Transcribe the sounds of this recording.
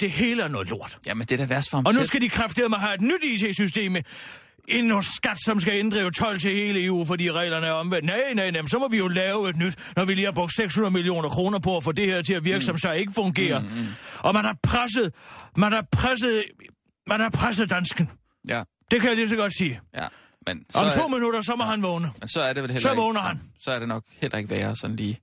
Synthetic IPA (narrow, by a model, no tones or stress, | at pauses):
d̥e̝he̝ːləæɐnɔ̽ːðˠlo̝ɐ̰d̥jæmnd̥eɾ̥æʋæɐsfɒmɒnusɡ̥æd̥ikʰʁafd̥iɐmænɦɑe̝d̥nyd̥iːt͡sʰe̝̰ːsysd̥e̝̰ːm | e̝nnɔssɡ̥æd̥sɒ̽ms̬ɡ̥æend̥ʁɐjo̝t͡sʰɒ̽l̰t͡sʰe̝he̝ːləe̝ːṵːfɒd̥ḭːʁɛ̰ːlɐnəɐɒ̽mʋend̥nænæɪnmnsɒ̽mɒ̽ʋijo̝lɛːʊe̝d̥nyd̥ | nɒʋiliːhɑ̈b̥ʁɔɡ̥seɡ̥shunɐðˠmilio̝̰ːnɐkʰʁo̝ːnɐpʰɒ̽ɒfɔd̥e̝heɐ̰t͡sʰe̝læʋiɐɡ̥sɒ̽msɒe̝ɡ̥əfɔ̽ŋɡ̥e̝̰ːɐʔɒ̽mænhɑ̈pʰʁas̬əð̩ˠmænæpʰʁas̬əð̩ˠ | mænhɑ̈pʰʁas̬əð̩ˠd̥ænsɡ̥n̩ | d̥e̝kʰæjalis̬ɒɡ̥ɒ̽d̥siːj | mensɒɒmt͡sʰo̝̰ːminuɾ̥ɐsɒ̽mɒ̽ɦænʋɔːnəmensɒæɐde̝ʋelelsɒʋɔʊnɐhænsɒ̽æɐd̥e̝nɒ̽ɡ̥helʔɐe̝ɡ̥ʋɛːɐsɒ̽n̩liː